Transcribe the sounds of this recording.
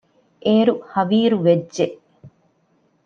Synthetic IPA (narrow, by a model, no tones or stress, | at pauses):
ʔeːɾuhɐʋiːɾuʋedʒeʔ